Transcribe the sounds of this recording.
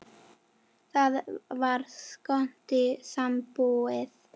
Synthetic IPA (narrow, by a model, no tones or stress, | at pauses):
ðaðvarskɔntɪsamboːɪð